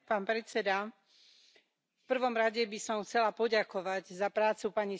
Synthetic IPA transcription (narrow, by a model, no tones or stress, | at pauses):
paːnpɾɛt͡sɛd̪a | fpr̩ʋɔmɾaɟɛbisɔmxt͡sɛlapɔɟakɔʋaɟzapɾaːt͡supaɲi